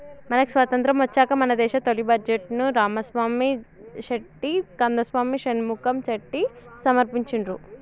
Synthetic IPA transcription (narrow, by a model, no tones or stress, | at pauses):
mɐnɐki̥sʋɐt̪ɐnt̪ɾɐmʋɐt͡ʃːaːkɐmɐnɐd̪ɛːʃɐt̪olibɐd͡ʒeʈnuɾaːmɐsʋaːmiʃɐʈːikɐnd̪ɐsʋaːmiʃɐnimukɐmt͡ʃɐʈːisɐmɐɾpiɲt͡ʃiɳɾu